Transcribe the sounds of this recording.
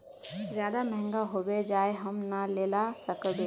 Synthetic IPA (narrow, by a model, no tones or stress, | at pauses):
zjad̪amɛɦɛ̃ŋɡaɦobed͡ʒaeɦəmnəlelasəkbe